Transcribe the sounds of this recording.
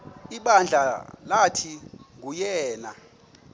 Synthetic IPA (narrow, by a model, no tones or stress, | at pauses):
iɓand͡ɮʱalatʰiŋujɛːna